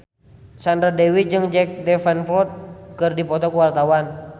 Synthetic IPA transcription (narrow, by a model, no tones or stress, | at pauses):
sandɾadɛwid͡ʒɨŋd͡ʒɛk̚dɛfɛnflɔt̪̚kɨrdipɔt̪ɔkəwart̪awan